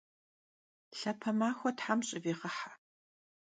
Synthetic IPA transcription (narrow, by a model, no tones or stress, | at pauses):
ɬɐpʰɐmaːxʷɔtħamɕʼɪviːʁɐħa